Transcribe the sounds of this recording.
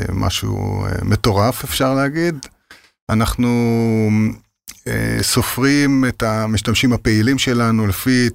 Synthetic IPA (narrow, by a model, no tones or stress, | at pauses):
mʔa̰ʃṵmet̪o̞ʁafefʃaʁleaɡid̪ | anaχnu | ḛso̞fʁimet̪amiʃtamʃimhape̞ilimʃe̞lanulefi